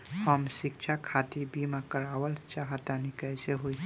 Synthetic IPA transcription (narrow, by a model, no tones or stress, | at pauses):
həmʃɪkt͡ʃʰakʰaːt̪iɾbimakəɾaːwəlt͡ʃaɦt̪anikəjseɦoi